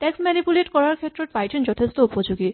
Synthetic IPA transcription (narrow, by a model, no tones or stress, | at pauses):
tɛksmɛnipuleʈkɔɹaɹkʰetːɹɔtbajtʰinzɔtʰest̪oupɔd͡ʒuɡi